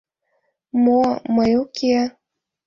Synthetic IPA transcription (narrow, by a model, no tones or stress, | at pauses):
moməjukʰe